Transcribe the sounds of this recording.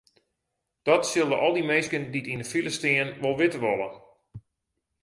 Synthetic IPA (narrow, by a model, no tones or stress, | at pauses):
d̥ɔtsɪlˠdəʔɔlˠdimejskənditindəfiləstiənʋɔlˠʋɪtəʋɔlˠə̰